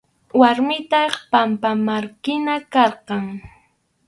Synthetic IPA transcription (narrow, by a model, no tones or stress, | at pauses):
waɾmɪt̪ɑχpampamaɾkɪnakɑɾqɑŋ